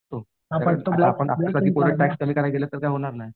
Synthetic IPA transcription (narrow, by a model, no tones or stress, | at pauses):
ot̪o | ɦapət̪oblapəɳabsaipoɾəʈ̚ʈːækskəm̤iːkaɾajɡeljat̪ːəɾkajɦoɽ̃aɾnaj